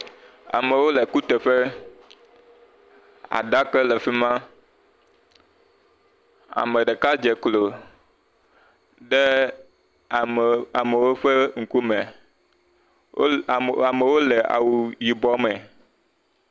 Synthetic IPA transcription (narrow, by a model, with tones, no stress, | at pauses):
a̰˨me˨wo˦lɛ˨ku˦t̪e˨ɸe˦ | a̰˨ɖa˦kɛ˦lɛ˨fi˦mã˦ | a̰˨me˨ɖɛ˨ka˦d͡ʒɛ˨klo˨ | ɖɛ˦˨ | a˨me˨wo˦ɸɛ˦ŋ̩˨ku˦mɛ˨˦ | a˨me˨wo˦lɛ˨ʔa̰˨wu˨ji˨bɔ˦mɛ̃˨